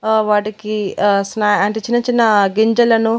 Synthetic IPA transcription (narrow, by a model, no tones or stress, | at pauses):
ʋaːʈikisnaːɐɳʈet͡ʃinːɐt͡ʃinːɐɡeɲd͡ʒɐlɐnu